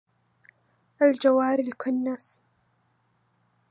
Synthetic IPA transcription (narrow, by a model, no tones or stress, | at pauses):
ʔald͡ʒawaːɾɪlkʰʊnːas